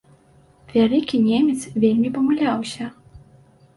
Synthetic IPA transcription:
vʲalʲikʲinʲemʲɛt̪svʲelʲmʲipɐmulʲawsʲɐ

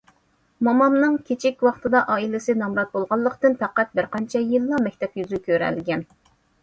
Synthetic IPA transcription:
mɑmɑmnɨŋkʲʰet͡ʃʰikʲwɑχt̪ʰɨd̪ɑʔɑːilɪsɪnɑmɾɑt̪̚bolˠʁɑlˠːəqt̪ɨnpʰæqæt̪̚bɪɾqɑnt͡ʃʰɛjilˠːɑmɛkʲt̪ʰɛpjyzykʲʰøɾɛ̰lɡʲɛn

